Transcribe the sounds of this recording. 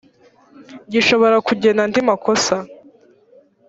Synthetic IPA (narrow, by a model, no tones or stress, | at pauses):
ɟiʃo̞βo̞ɾakuɟe̞nandimako̞sa